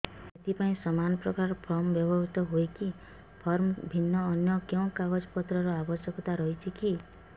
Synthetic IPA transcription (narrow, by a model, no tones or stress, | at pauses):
et̪ʰipaĩsɔmanɔpɾɔkaɾɾɔpʰɔɾmɔbjɔbɔit̪ɔɦojki | pʰɔɾmɔbʱinːɔːnjɔkew̃kaɡɔd͡ʒɔpɔt̪ɾɔɾɔabɔsjɔkɔt̪aɾɔɦit͡ʃʰiki